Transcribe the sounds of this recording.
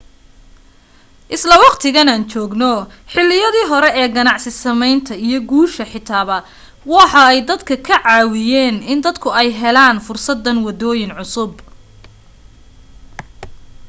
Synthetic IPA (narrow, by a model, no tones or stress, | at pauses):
ʔɪslɐwɑqt̪ʰɪɣɐnaːnt͡ʃɔːɡnɔħɪlːɪjɐðiːɦɔɾɛɛːɡɐnɑʕsɪsɐmɛjnt̪ʰɐijɞɡuːʃɐħɪt̪ʰaːβɐ | wɑħɑɛjd̪ɐd̪kʰɐkʰɐʕɑːwɪjɛːnɪnd̪ɐd̪kʰʊɛjɦɛlaːnfʊrsɐd̪ːɐnwɐd̪ɔːjɪnʕʊsʊb